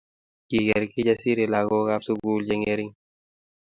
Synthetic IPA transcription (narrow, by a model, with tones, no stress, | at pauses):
ki˨ɡɛ˨ɾki˦d͡ʒa˦si˦ɾe˨la˨ɡɔ˦ka˦psu˧ɡuː˦ld͡ʒe˧ŋe˧˦ɾi˦ŋ